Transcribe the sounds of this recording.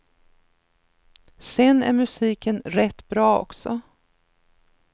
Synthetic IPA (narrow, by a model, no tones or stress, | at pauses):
sɛnæ̰ɾmɵsiːkənɾɛt̪ːbɾɑːɔ̰ksɔ